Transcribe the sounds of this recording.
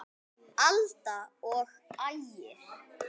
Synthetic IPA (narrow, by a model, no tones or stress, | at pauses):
alt̪aɔɣ | ajɪɾ̥